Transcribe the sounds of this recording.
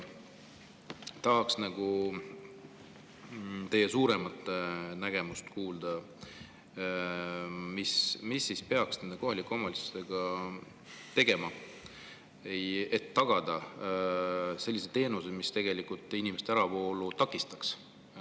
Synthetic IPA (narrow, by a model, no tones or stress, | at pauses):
t̪ɑɦɑksnɑɡ̥u | t̪e̞jːe̞suːɾe̞mɑt̪ːˑnæɡ̥e̞must̪kuːld̪̥ɑ | mismisːispe̞ɑksne̞nd̪e̞ko̞ɦɑlikːˑomɑlisu̥t̪e̞ɡ̥ɑ | t̪e̞ɡe̞mɑ | eje̞t̪ːɑɡ̥ɑd̪̥ɑ | se̞lːiset̪e̞ːnuse̥mist̪e̞ɡ̥e̞likːˑult̪ːˑinimest̪æɾɑpo̞ːlut̪ɑkːˑist̪ɑ̥ks